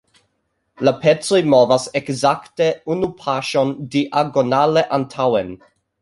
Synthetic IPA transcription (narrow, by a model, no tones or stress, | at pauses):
lapʰet͡sojmovasekzakteunupʰaʃondiʔaɡonaleʔantʰawen